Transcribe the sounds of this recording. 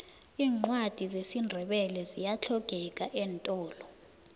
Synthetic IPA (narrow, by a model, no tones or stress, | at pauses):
iːŋ͡ǃwad̥ʱizesindʱɛɓɛlɛzijat͡ɬʰɔɡ̥ʱɛk̬ʼaʔɛːntʼɔːlɔ